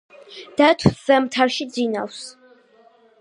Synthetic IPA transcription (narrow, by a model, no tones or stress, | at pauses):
d̪̥at̪ʰwzɛmt̪ʰaɾʃid̪zina̰ws